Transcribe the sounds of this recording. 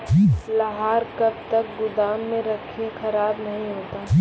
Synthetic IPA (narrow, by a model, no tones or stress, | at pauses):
slɐɦaːɾkɐb̚t̪ɐk̚ɡʊd̪aːmːẽɾɐkʰiexɐɾaːbnɐɦĩɦoːt̪aː